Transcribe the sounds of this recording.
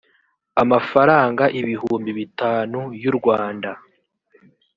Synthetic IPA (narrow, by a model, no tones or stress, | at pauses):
amafaɾaːŋɡaʔiβiɦuːmbiβitaːnujuɾɡwaːnda